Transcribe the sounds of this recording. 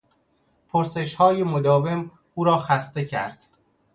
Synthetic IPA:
pʰoɾse̞ʃhɒːjemod̪ɒːve̞m | ʔuːɾɒːxæst̪e̞cʰæ̰ɾd̪̥

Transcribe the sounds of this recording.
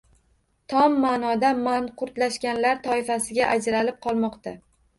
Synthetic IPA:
t̪ʰɒmːaːnɒd̪amanqʰʊɾt̪laʃkʲanlaɾt̪ʰɒɪfasɪɡʲaʔad͡ʒɾalɪp̚qʰɒlˠmɒqt̪a

